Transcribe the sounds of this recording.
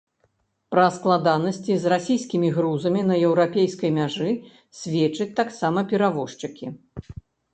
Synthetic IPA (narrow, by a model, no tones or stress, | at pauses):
pɾɐsklˠad̪anɐsʲt͡sʲizrasʲijskʲimʲiɣɾuzɐmʲinɐjɛwɾapʲejskɐjmʲaʐɨ | sʲvʲeɛt͡ʂɐt͡sʲt̪aksamɐpʲɛɾavɔʂt͡ʂɨkʲi